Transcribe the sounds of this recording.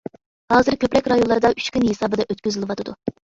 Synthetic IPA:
hɑːzɨɾkʲʰøpɾɛkʲɾɑjonlˠɑɾɨd̪ɑyʃt͡ʃkʲynɦesɑːbɨd̪ɛʔøt̪̚kʲyzɪlˠɨwɑt̪ʰɨd̪u

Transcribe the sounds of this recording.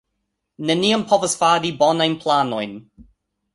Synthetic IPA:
neniəmpʰɔvəsfaːdibɔnajnpʰlanojn

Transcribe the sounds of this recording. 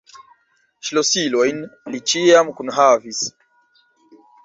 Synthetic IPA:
ʃilɔsilɔjnlit͡ʃiamkunɦavis

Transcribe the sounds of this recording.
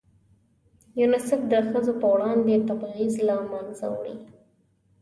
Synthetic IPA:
junɪsɪfd̪əxəzopəwɽɑnd̪et̪abɑɣizlɑmɑnza̰wɽḭ

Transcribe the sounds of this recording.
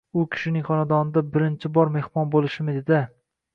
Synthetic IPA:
ʊkʲʰɪ̥ʃɪnɪŋχɒnad̪ɒnɪd̪abɪɾɪnt͡ʃʰɪbɒɾme̞hmɒnbolˠɪʃɪmɪd̪ed̪ɪ

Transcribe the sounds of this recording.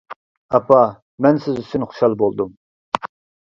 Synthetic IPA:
ɑpʰɑ | mɛnsɪzyst̪ynχu̥ʃɑlˠbolˠd̪um

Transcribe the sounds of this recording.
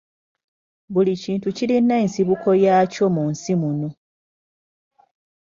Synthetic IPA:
βuliciːntuciɾinːeːnsiβukʰo̞jaːco̞munsimuno

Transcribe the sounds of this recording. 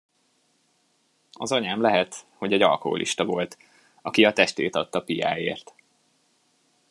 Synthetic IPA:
ɒzɒɲaːmlɛɦɛt̪ho̞ɟɛɟɒ̰lko̞̰ɦo̰lʔḭʃt̪ɒvo̞lt̪ | ɒkiɒt̪ɛʃt̪eːt̪ɒt̪ːɒpija̰ːjḛːrt̪

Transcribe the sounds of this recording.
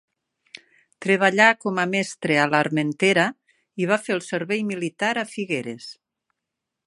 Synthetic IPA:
t̪ɾeβ̞aʎakɔmamɛst̪ɾealaɾment̪eɾa | iβ̞afelˠseɾβɛjmilit̪aɾafiɣeɾḛs

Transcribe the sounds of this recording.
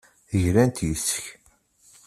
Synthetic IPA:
ʝɾænt̪jəsːə̥ç

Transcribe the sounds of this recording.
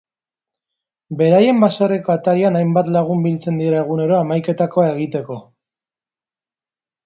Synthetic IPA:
be̞ɾaje̞mbasareko̞at̪aɾianajmbat̪laɣ̞umbilt͡se̞nd̪ieɾaeɣ̞une̞ɾo̞amajke̞t̪ako̞ae̞ɣ̞it̪e̞ko̞

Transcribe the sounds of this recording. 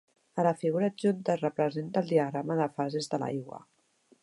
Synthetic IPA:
ələfiɣuɾaʒunt̪ərəpɾəzent̪əːlˠd̪iəɣ̞ɾaməðəfazezðəla̰jɣwə̰

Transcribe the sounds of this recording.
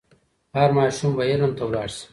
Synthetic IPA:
haɾmɑːʃumbɐjelɐmt̪ɐwlaːɽs

